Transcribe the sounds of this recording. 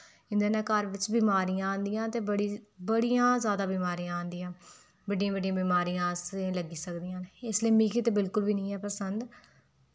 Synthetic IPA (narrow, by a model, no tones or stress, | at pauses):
ɪ̃nd̪eːnɛːkəɾʋɪt͡ʃbiːmaːɾijãaːnd̪ijãːt̪eːbəɽibəɽijãːzjaːd̪aːbiːmaːɾijãːãːnd̪ijãː | bəɖijãːbəɖijãːbiːmaːɾijãːseləɡiːsəkd̪ijãːneɪsliiːmiːkʰiːt̪eːbɪlkʊlbiːnĩːɦɛːpəsənd̪